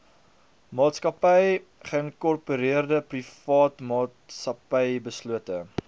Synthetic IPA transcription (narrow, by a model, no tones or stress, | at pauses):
mɑːtskɐpəjχəənkɔrpuɾiərdəprifɑːtmɑːtsɐpəjbəsluətə